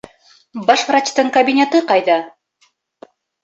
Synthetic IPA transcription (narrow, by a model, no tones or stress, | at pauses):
bɑʃvrat͡ɕt̪ɤɴkɐbʲinʲet̪ɤqɑjðɑ